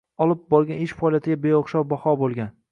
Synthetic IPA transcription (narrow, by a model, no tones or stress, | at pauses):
ɒlˠɪp̚bɒɾˠɡʲanɪʃfɒɒlijat̪ʰɪɡʲabe̞jɒχʃɒwbɒhɒbolˠɡʲan